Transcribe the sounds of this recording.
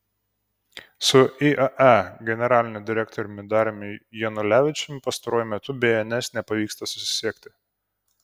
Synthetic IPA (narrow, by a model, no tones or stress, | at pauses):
sʊʔiʔɐʔæɡʲɛnʲɛɾɑːlʲɪnʲɛd̪ʲɪɾʲɛkt̪ɔɾʲʊmʲɪd̪ɑːɾʲemʲɪjɛnʊlʲæːʋʲɪt͡ʃʲɛmʲpɐst̪ɐɾoɔːjumʲɛt̪ʊbʲeːɛnʲɛsnʲɛpɐʋʲiːkst̪ɐsʊ̥sʲɪɪ̥sʲiɛkʲt̪ʲɪ